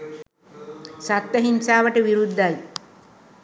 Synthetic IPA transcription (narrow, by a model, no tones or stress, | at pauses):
sat̪ːəɦinsaːʋəʈəʋiɾud̪ːaj